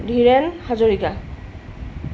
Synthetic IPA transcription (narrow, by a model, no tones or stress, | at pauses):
dʱiɹɛnhazoɹika